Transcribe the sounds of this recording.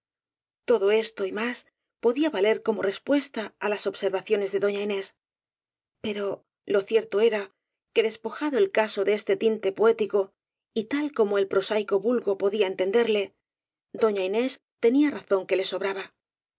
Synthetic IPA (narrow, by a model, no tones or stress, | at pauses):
t̪o̞ðo̞e̞st̪o̞imas | po̞ðiaβale̞ɾko̞mo̞re̞spwe̞st̪aalaso̞βse̞ɾβaθjo̞ne̞zðe̞ðo̞ɲaine̞s | pe̞ɾo̞ | lo̞θje̞ɾt̪o̞e̞ɾa | ke̞ðe̞spo̞xaðo̞e̞lkaso̞ðeest̪e̞t̪int̪e̞poe̞t̪iko̞ | it̪alko̞mo̞e̞lpɾo̞sajko̞βulɣo̞po̞ðiae̞nt̪e̞nd̪e̞ɾle̞ | d̪o̞ɲaine̞s | t̪e̞niaraθo̞ŋke̞le̞so̞βɾaβa